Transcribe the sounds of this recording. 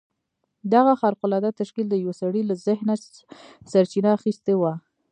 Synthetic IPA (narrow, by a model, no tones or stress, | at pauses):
d̪aɣaxɑɾqʊlɑd̪at̪aʃkild̪əjwasaɽilazɪhna | saɾt͡ʃinaːxist̪ewa